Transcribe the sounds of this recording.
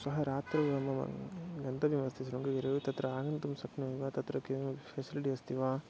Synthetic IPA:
sɐɦɐɾaːt̪ɾɐʋɐmɐɐ̰ɡɐnt̪ɐʋimɐst̪ʰisɾuŋɡeʋiɾɐʋit̪ɐt̪ɾɐaːɡɐnt̪umsɐknɐiʋaːt̪ɐt̪ɾɐkepʰeːsiliʈiɐst̪ʰiʋaː

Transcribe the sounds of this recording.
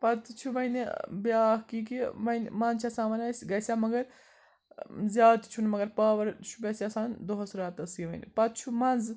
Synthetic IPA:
pɐt̪t͡ʃʰuʋɐjnbʲjaːhkik̬iʋɐnmɐnt͡ʃʰɐsãːnʋɐnɐsʲɡɐsʲaːmɐɡɐɾ | zʲjaːd̪t̪t͡ʃʰunmɐɡɐɾpaːʋɐɾt͡ʃʰu̥bʲɐsʲasãːnd̪oɦɐsɾaːt̪ɐsjiʋɐ̰jnpɐt̪̚t͡ʃʰumɐnz

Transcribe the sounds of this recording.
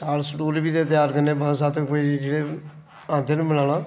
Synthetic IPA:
t̪aːlsʈuːlbiːd̪eːt̪ɪjaːɾkəneːbəsaːt̪əkoːid͡ʒeːɽeː | ãːd̪eːnũːmɪlãːlãː

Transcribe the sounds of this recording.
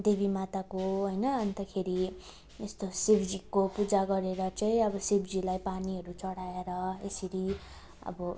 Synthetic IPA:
d̪ebimat̪akoɦʌjnʌːnt̪ʌkʰeɾi | est̪osibd͡zikopud͡zaɡʌɾeɾʌt͡saĩʌbʌsibd͡zilajpaniɦʌɾut͡sʌɽaeɾʌesiɾi | ʌ̰bʌ

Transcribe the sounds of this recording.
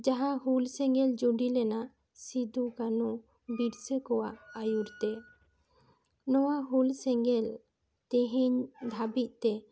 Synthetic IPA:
d͡ʒaɦãɦulsɛŋɡɛld͡ʒuɖilɛnaʔ | sid̪ukanu | biɾsəkɔwaʔajuɾt̪ɛ | nɔwaɦulsɛŋɡɛl | t̪ɛɦiɲd̪ʱabit̪̚ˀt̪ɛ

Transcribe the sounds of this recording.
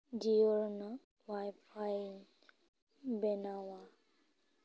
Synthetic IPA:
d͡ʒijɔɾna | wajpʰaj | bɛnawa

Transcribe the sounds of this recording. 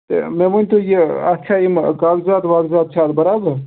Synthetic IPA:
t̪ḛmemunʲt̪ujeɐt̪ːt͡ʃʰaːimkaːɡzaːt̪ʋaːɡzaːt̪̚t͡ʃʰaːt̪bɐɾaːbəɾ

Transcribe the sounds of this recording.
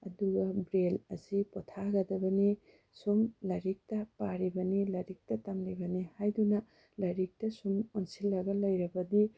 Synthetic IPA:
ɐ̰duɡɐbɾelɐsipɔtʰaɡɐdɐbɐni | sumlɐɾik̚tɐpaɾibɐnilɐɾik̚tɐtamlibɐnihajdunɐ | lɐɾik̚tɐsumonsilːɐɡɐlɐjɾɐbɐdi

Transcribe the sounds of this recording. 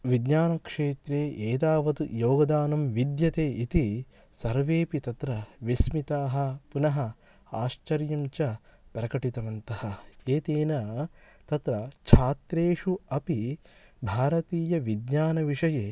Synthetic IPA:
ʋid̪ɲaːnɐkʂeːt̪ɾeːʔeːd̪aːʋɐt̪joːɡɐd̪aːnɐmʋid̪jɐt̪eːit̪i | sɐɾʋeːpit̪ɐt̪ɾɐʋismit̪aːɦɐ̆punɐɦɐ | aːʃt͡ʃɐɾjɐɲt͡ʃɐpɾɐkɐʈit̪ɐʋɐnt̪ɐhɐeːt̪eːnɐt̪ɐt̪ɾɐt͡ʃʰaːt̪ɾeːʂuɐpibʱaːɾɐt̪iːjɐʋid̪ɲaːnɐʋiʂɐjeː

